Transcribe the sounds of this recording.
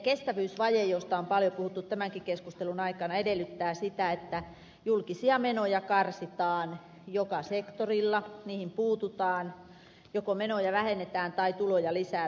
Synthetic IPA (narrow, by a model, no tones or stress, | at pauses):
kest̪æʋyysʋɑjejost̪ɑompɑljopuhut̪ːut̪t̪æmæŋkikeskust̪elunɑikɑnɑedelːˑyt̪ːæːsit̪æet̪ːæ | julkisiɑmenojɑkɑrsit̪ɑːn | jokɑsekt̪orilːɑniːhimpuːt̪ut̪ɑːn | jokomenojɑʋæhenːet̪æːnt̪ɑit̪ulojɑlisæː